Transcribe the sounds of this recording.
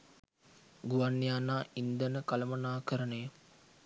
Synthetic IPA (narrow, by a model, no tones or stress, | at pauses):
ɡuʋanːijaːnaːʔind̪ənəkaləmənaːkəɾənəjə